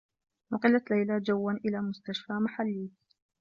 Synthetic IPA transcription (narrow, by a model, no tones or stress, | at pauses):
mʊqɨlːalajlad͡ʒawːanʔɪlaːmʊst̪aʃfaːmaħalːiː